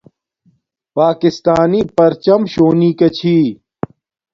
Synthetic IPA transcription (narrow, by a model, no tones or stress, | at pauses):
paːkist̪aːniːpɐɾt͡ɕɐmɕoːniːkɐt͡ɕʰiː